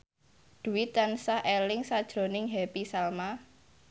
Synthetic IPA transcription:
d̪̥ṳwɪt̪ansaʔelɪŋsad̥ʒ̥ɾo̤nɪŋɦɛpisalma

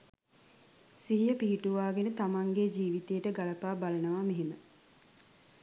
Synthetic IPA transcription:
siɦijəpiːʈuʋaːɡenət̪amaŋɡed͡ʒiːʋit̪ejəʈəɡaləpaːbalənəʋaːmeɦimə

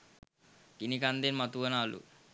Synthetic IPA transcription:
kinikand̪enmat̪uənaːlṵ

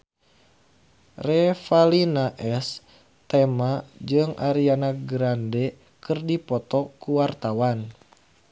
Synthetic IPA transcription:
rɛfalinaʔɛs | t̪ɛmad͡ʒɨŋʔaɾianaɡɾandɛ | kɨrdipɔt̪ɔkuwart̪awan

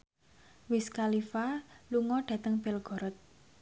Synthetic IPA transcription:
wiskalifaluŋɔɖ̥a̤t̪əŋb̥ɛlɡ̥ɔ̤ɾɔt̪̚

